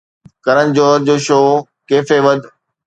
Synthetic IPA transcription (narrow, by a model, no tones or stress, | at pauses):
kɐɾənɪ̆d͡ʑoːɾd͡ʑoːʃoː | keːfeːʋəd̪ʱ